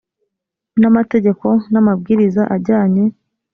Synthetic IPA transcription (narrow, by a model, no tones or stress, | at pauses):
namate̞ɟe̞ko̞namab̚ɡiːɾizaʔaɟaːɲe̞